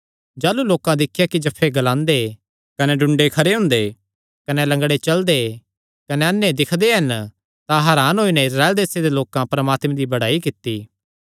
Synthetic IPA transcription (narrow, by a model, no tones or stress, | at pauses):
d͡ʒaːluloːkãd̪ɪkʰːɪjakid͡ʒɐpʰːeɡɐlãːnd̪e | kɐnɛɖʊ̃ɳɖekʰɐɾeɦʊ̃ːnd̪e | kɐnɛlɐ̃ŋɡɽet͡ʃɐld̪e | kɐneɐnːẽd̪ɪkʰd̪eɦɐn | t̪ãɦɐːɾaːnɦoːinɛɪsɾaːeld̪eːsed̪eloːkãpɐɾɐmaːt̪mẽd̪ibɐɽaːikɪt̪ːiː